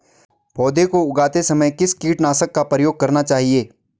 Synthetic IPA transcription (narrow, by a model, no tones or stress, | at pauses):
bʰɔːd̪ekoʊɡaːt̪esɐməjkɪskiːʈnaːsəkːapɾəjoːɡ̚kɐɾnat͡ʃaːɦieː